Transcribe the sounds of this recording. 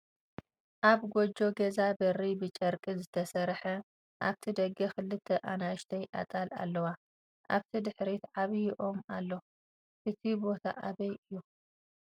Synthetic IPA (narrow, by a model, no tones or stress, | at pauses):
ʔaβɡʷod͡ʒo̞ɡɐzabɐribɨt͡ʃʼɐɾkʼizɨt̪ʰɐsɐɾħɐ | ʔaβt̪ʰid̪ɐɡɐxɨlɨt̪ʰːɐʔanaʃt̪ʰɐjʔa̰t̪ʼala̰lːɐwa | ʔaβt̪ʰid̪ɨħɾit̪ʕaβjɪʔo̞malːo̞ | ʔɨt̪ʰibo̞t̪ʰa̰ʔaβɐjɨjːu